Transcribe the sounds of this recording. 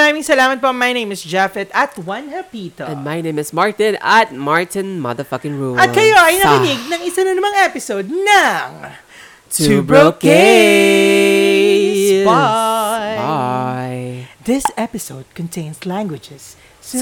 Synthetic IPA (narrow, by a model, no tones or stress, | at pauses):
ɾaːmɪŋsɐlaːmɐt̪̚pomɐjnẽjmɪsd͡ʒɛfɛt̪ɐt̪wɐ̃nhɛlpit̪oɛ̃nmajnẽjmɪsmaɹt̪ɪ̃nɐt̪̚maɹt̪ɪ̃nmɐ̰ðə˞fɐkɪ̃ŋɹuɐt̪kɐjoʔɐjnɐɪnɪɡ̚nɐŋɪsanɐnɐmɐŋɛpɪsod̪̚nɐŋ | tubɹoke | s | ajðɪsɛpɪsowd̪̚kɔ̃nt̪ʰẽjnslæ̃ŋɡwɪd͡ʒɛs